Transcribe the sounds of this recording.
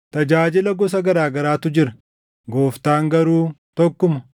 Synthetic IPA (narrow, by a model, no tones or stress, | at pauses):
t̪ɐd͡ʒaːd͡ʒɪlɐɡɔs̬ɐɡɐɾaːɡɐɾaːt̪ʊd͡ʒɪɾɐ̥ | ɡoːft̪aːŋɡɐɾuːt̪ɔkːʊmɐ